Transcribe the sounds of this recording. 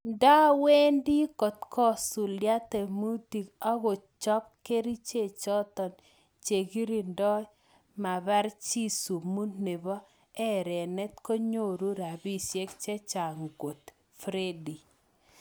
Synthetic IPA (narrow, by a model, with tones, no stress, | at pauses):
nda˦we˦ndi˦kɔ˨t̪kɔ˦su˨lja˦tɛ˨mu˦ti˨ka˦ɣo˨t͡ʃɔ˦p̚ke˦ɾi˦t͡ʃe˦˨t͡ʃɔ˦t̪ɔ˨n | t͡ʃe˨ɡi˦ɾi˨ndɔ˦ | ma˨βa˦ɾt͡ʃi˦su˨mu˦ne˨βɔ˦ | ɛ˦ɾɛ˨nɛ˦t̪ko˦ɲo˦˨ɾu˦ɾa˨bi˦sje˦kt͡ʃɛ˦t͡ʃa˨ŋɡo˨t̪ | fɾe˦di˨